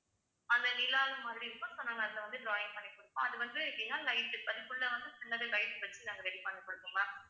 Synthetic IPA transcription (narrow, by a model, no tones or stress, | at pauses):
ɐnd̪ɐnɪlaːlɯmɐðɪɽiɾɯkːɐ̃sonːaːŋɡɐːðɪlɐʋɐnd̪ɯɖɾaːjɪŋpɐɳːikɔɽɯpːõɐðɯʋɐnd̪ɯkːɪjãːlɐɪʈːɯɐðɪkːɯɭːɐʋɐnd̪ɯpɪnːɐðɯkɐɪʈːɯʋɐt͡ʃːinaːŋɡɐɾɛɽipɐnːɐkːɔɽɯkːɯŋaː